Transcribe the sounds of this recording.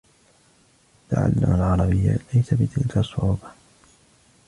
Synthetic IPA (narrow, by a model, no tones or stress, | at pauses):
t̪a̰ʕa̰lːa̰malʕɑɾˤɑbɪjːa̰lajsabɪt̪ʰɪlkasˤːʊʕuːba